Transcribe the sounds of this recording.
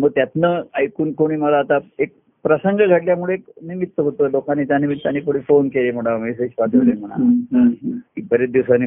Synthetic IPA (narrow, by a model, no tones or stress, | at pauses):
məɡ̚t̪jat̪nəajkuːnkoɽ̃iːməlaːt̪aek̚ | pɾəsəŋɡəɡʱaʈljamuɭeːknimit̪ːəɦot̪əlokanit͡ɕanimit̪ːaniːkoɽ̤iːfonkeleːm̤əɽ̃amesed͡ʑpat̪elem̤əɽ̃a̰ | ibəɾet̪̚d̪iwsanːi